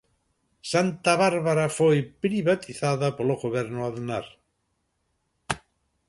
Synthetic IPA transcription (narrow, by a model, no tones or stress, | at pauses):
sant̪aβaɾβaɾafojpɾiβat̪iθaðapoloɣoβɛɾnʊaðnaɾ